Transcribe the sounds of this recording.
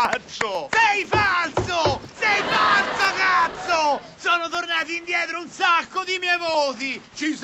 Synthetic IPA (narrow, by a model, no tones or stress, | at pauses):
t͡ʃːosɛjfalt̪sosɛjfalsakat̪sːo | sɔːnot̪ornaːt̪iind̪jɛːt̪ɾounsakːod̪imɛjvoːt̪̬it͡ʃis